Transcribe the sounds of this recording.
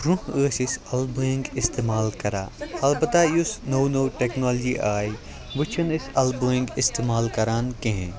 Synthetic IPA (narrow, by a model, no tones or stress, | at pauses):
ɾũhəːsisɐlbuĩŋɡɪst̪eːmaːlkɐɾa̰ːɐlbɐt̪ajusnownowʈeːknoːld͡ʒiʔaːi | ʋɪt͡ʃʰɐnɪsɐlboĩŋɡɪst̪eːmaːlkɐɾaːnkẽɦḛ̃